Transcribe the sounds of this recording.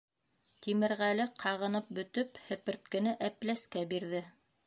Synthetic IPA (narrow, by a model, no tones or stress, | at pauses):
t̪imɘ̆ɾʁælɘqʰɑʁɤ̆nɤp̚bɵ̆t̪ɵphɘ̆pɘ̆ɾt̪̚kɘ̆nɘʔæplæskæbiɾðɘ